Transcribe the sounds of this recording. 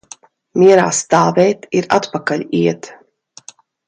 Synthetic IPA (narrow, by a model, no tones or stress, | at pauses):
mʲiɛɾa̰ːst̪aːvɛːt̪iɾa̰t̪pakalʲiɛt̪